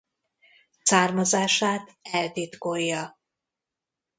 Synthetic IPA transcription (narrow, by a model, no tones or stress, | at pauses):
saːrmɒzaːʃaːt̪ɛlt̪it̪kojːɒ